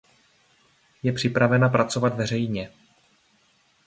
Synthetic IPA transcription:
jɛpr̥ɪpɾavɛnapɾat͡so̞vad̪vɛrɛjɲɛ

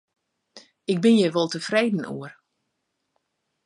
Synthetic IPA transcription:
ɪɡ̚bɪnjəʋolˠtəfreːdn̩ṵər

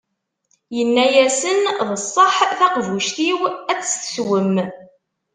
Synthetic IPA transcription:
jənːæjæsənðˤəsˤːɑħθæqvuʃθiwæt͡sːθə̥swəm

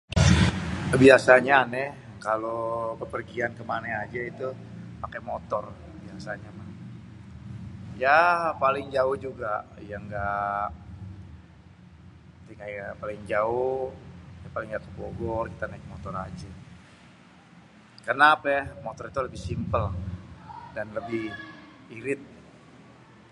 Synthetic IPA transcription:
biasaɲaːnɛ | kalopəpərɡiankəmanaad͡ʒait̪u | pakamot̪ɔr | biasaɲamah | japalɪŋd͡ʒaʊhd͡ʒuɡajaŋɡa | t̪iŋapalɪŋd͡ʒaʊhhjaŋpalɪŋɡaʔkəboɡɔrkit̪anaɪk̚mot̪ɔɾad͡ʒa | karnaːpɛmot̪ɔɾit̪uləbɪhsimpəl | danləbɪh | iɾɪt̪̚

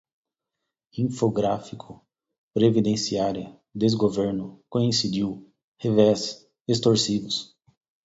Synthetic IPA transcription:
ĩfoɡɾafikʰʊ | pɾevid̪ẽsiaɾjɐ | d̪ezɡoveɾnʊkõĩsid͡ʒiw | hevɛz | est̪oɾsivʊs

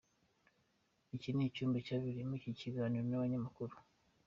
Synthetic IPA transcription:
icinecuːmbicaβiɾimuiciciɡaːniɾo̞naβaɲamakuɾu

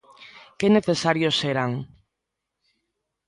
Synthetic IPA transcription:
keneθesaɾjoseɾaŋ

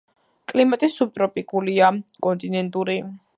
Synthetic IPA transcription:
kʼlimat̪ʼisub̚t̪ʼɾɔpʼikʼuliakʼɔnt̪ʼinɛnt̪ʼuɾi

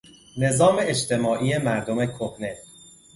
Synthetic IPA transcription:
ne̞zɒːme̞et͡ʃt̪ʰe̞mɒːʔiːje̞mæɾd̪ome̞kʰohne̞

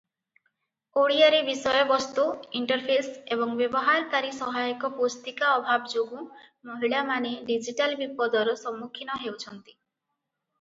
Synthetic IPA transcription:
oɽiaɾibisɔjɔbɔst̪uiɳʈɔɾpʰesebɔŋbjebɔɦaɾkaɾisɔɦajɔkɔpost̪ikaɔbʱabɔd͡ʒoɡũ | moɦiɭamaneɖid͡ʒiʈalbipɔd̪ɔɾɔsɔmːukʰinɔɦewt͡ʃʰɔnt̪i̥

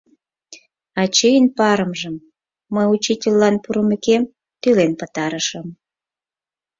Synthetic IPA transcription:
ɑt͡ɕijənpɑɾəmʒəmː | əjut͡ɕitʲelːɑnpuɾəmekem | t̪ylenpət̪ɑɾəʃəm

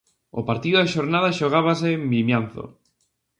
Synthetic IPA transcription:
o̰paɾt̪iðʊðaʃoɾnaðaʃoɣaβasɪmbimjanθo̰

